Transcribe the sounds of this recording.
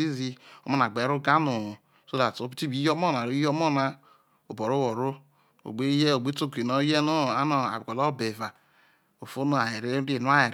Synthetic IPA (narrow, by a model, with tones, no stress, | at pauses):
i˦zi˦o˦ma˦n˨a˨ɡ͡be˨˦u˦ɡa˦nu˨ | so˦da˨to˨˦bi˦ti˦bi˦jo˦mo˦na˨ɾu˦jo˦mo˦˨na˦ | o˨bo˨ɾo˦wo˨ɾo˦ | o̰˨ɡ͡be˦je˦o˨ɡ͡be˦to˦ki˨no˨˦je˦no˦a˦no˨a̰˨bko˨lo˦be˨va˨ | o˨fo˦no˦a˨je˨ɾe˦e˦˨nu˦a˦je˨ɾ